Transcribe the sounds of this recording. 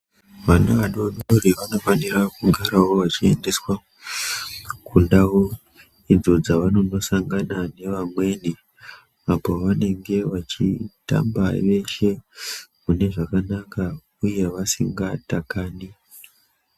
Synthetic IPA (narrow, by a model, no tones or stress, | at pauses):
ʋanaʋaɗo̞ɗoriʋano̞fanirakuɡʱaɾawo̞ʋat͡ʃie̞nde̞swa | kundawo | id͡zo̞d͡zaʋano̞no̞saŋɡanane̞ʋamwe̞ni | apo̞ʋane̞ŋɡe̞ʋat͡ʃḭta̰mbaʋe̞ʃe̞mune̞ʐakanaka | uje̞ʋasḭŋɡatakaːni